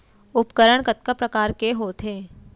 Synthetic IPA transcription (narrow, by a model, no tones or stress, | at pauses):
ʊpkəɾəɳkət̪̚kəpɾəkaːɾkeɦoːt̪ʰɦeː